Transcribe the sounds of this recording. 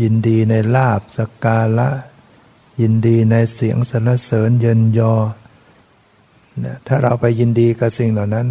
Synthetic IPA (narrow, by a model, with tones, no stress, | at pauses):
ji˧ndiː˧na˧jlaː˥˩p̚sa˧kaː˧la˦˥ʔ | ji˧ndiː˧na˧jsi˩˦əŋsa˨˧˦nla˧˥˩sɤː˩˦njɤ˧njɔː˧ | na˦˥t̪ʰaː˥˩ɾa˧wpa˧jːi˧ndiː˧ka˧˩si˨˩ŋla˨˩wna˦˥n